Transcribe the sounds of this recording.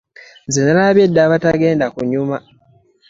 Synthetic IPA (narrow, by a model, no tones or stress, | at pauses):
nzenalaβjedːaːβataɡe̞ːndakuɲuma